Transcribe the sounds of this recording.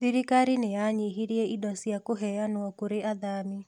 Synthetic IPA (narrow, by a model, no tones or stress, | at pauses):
ðiɾikaɾinejaɲiɦiɾiɛidɔsjakoɦɛjanwɔkoɾeʔaðami